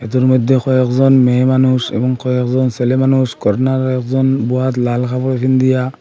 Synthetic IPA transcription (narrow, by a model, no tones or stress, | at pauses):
ɛt̪uɾmɔjd̪ʱːekʰɔɛkzɔnmemanusɛ̰bɔŋkʰɔɛkzɔnselemanuskɔɾnaɾɛk̚zɔnbuat̪lalkʰapɔɾɔtʰind̪ija